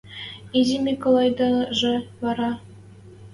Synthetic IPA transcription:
iʑimʲikolˠɑjd̪ɑʐɤ̆βɑɾɑ

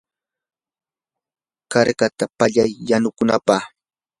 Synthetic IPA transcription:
kaɾkat̪apaʎajːanʊkʊnapaχ

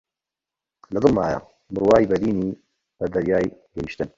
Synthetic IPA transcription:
lɐd̪ɨlma̰ːja̰ | mʊɾwaːjbɐd̪iːniː | b̥ɐd̪ɐɾjaːjɡɐjiʃt̪ɪn

